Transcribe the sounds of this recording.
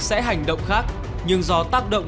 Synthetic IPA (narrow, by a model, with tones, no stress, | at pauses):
sɛ̰˧˥ɦa˨˩jŋ̟ɗə̰˧˨wŋ͡mxaː˦˥k̚ | ɲɨ˧ŋzɔ˧t̪aː˦˥k̚ɗə̰˧˨wŋ͡m